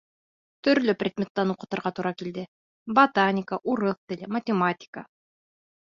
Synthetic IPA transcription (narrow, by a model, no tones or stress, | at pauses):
t̪ɵ̆ɾlɵprʲɪd̪mʲet̪ːænuqɤ̆t̪ɤ̆ɾʁɑt̪uɾɑkild̪ɘ | bɐt̪anʲɪkəʔuɾɤθt̪ɘ̆lɘmɐtʲɪmatʲɪ̥kə̰